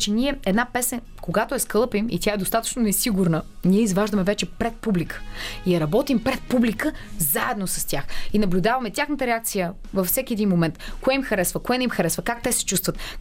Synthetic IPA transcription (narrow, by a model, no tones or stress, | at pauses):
t͡ʃɛnʲiɛɛd̪napɛsɛ | koɡat̪oɛskəlˠɤpimḭt̪ʲjaɛd̪ost̪at̪ə̥t͡ʃnonɛsiɡuɾnəniɛizvaʒd̪əmɛvɛt͡ʃɛpɾɛt̪̚publikə̥ijɐɾɐbɔt̪impɾɛt̪̚publikəzaɛd̪nosɐst̪ʲjaxinɐblʲud̪avɐmɛt̪ʲjaxnət̪əɾɛakt̪sijə | vɐfsɛkʲiɛd̪inmomɛnt̪koɛimxɐɾɛsvəkoɛnimxɐɾɛsvəkak̚t̪ɛsɛ̥t͡ʃust̪vət̪